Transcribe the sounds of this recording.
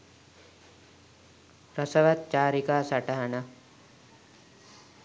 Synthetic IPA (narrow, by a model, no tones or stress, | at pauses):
ɾɐsɐʋɐt̪̚t͡ʃaːɾikaːsɐʈɐɦɐnɐ